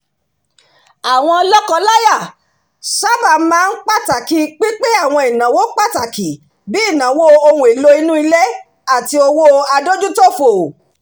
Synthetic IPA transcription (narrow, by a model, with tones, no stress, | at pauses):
a˨w̃ɔ̃˧lɔ˦kɔ˧la˦ja˦˨ | sa˦ba˨˦mãː˦˧n̩˦k͡pa˦ta˨ki˨˦k͡pi˦k͡pe˦a˦˨w̃ɔ̃˧i˨nã˨wo˦k͡pa˦˨ta˨ki˨ | bi˦i˦˨nã˨wo˦o˧wũ˧˨i˨lo˧i˧nũ˦i˧lɛ˦ | a˦˨ti˧o˧wo˦a˧do˦d͡ʒu˦to˦fo˨